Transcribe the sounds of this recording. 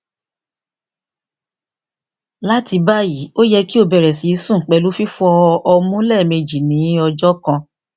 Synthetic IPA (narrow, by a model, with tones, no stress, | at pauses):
la˦ti˧ba˦ji˨˦o˦jɛ˧ki˦o˧bɛ˨ɾɛ˨si˨˦i˨˦sũ˦˨k͡pɛ˨˧lu˦fi˦fu˦ɔ˧ʔɔ˧mũ˦lɛ˦˨me˧d͡ʒi˨nĩ˨˦ɔ˧d͡ʒɔ˦kã˧